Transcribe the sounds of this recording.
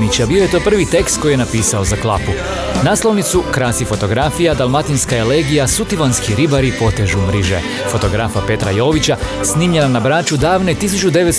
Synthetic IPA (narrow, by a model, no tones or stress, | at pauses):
nit͡ɕabio̞je̞t̪o̞ːpr̩ʋit̪e̞kst̪̚ko̞jijenapiːsaozaklˠapu | naːslo̞ʋnit̪sukɾasifo̞t̪o̞ɡɾafijad̪alˠmat̪inskaeleːɡijasut̪iʋanskiɾibaɾipo̞t̪eʒumɾiʒḛ | fo̞t̪o̞ɡɾafape̞t̪ɾa̰jo̞ːʋit͡ɕa | sniːmʎe̞nanabɾaːt͡ʃud̪aːʋnet̪isut͡ʃud̪e̞ʋet̪